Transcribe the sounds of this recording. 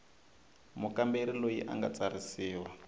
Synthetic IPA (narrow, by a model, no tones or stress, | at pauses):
mukambeɾilojḭʔa̰ŋɡa̰t͡saɾisiːwa